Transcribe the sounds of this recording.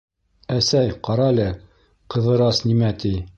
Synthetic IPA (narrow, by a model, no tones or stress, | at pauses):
æsæjqɑɾɑlʲɘ | qɤ̆ðɤ̆ɾɑsnimæt̪i